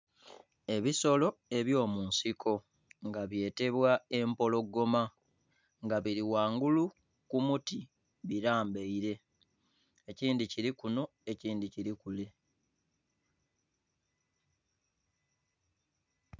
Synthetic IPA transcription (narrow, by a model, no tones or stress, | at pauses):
e̞βiso̞lo̞e̞βjo̞ːmuːnsikʰo̞ | ŋɡaβje̞ːte̞βwae̞mpo̞lo̞ɡːo̞ma | ŋɡaβiɾiwaːŋɡulu | kumuti | βiɾaːmbeiɾe̞ | ciːndiciɾikuno̞ | e̞ciːndiciɾikule